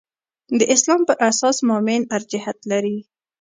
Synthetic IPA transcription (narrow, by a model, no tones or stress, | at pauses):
d̪əʔɪslɑmpəɾʔasɑsmɑmɪnaɾd͡ʒɪhat̪laɾi